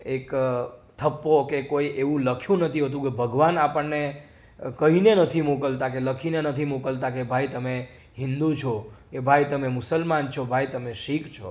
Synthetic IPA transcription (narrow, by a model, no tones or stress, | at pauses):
ekt̪ʰəpːokekoiʔeʋũləkʰjũnət̪ʰiɦət̪̬ũkebʱəɡʋanapəɳnːe | kəɦinenət̪ʰimukəlt̪akeləkʰinenət̪ʰimukəlt̪akebʱait̪əme | ɦɪ̃nd̪ut͡ʃʰokebʱajt̪əmemʊsəlmant͡ʃʰobʱajt̪əmeʃikt͡ʃʰo